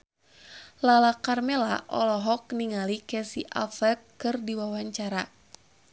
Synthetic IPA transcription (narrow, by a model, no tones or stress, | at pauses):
lalakarmɛla̰ʔɔlɔɦɔk̚niŋalikɛsiʔa̰fɛkkːɨrdiwawaɲt͡ʃaɾa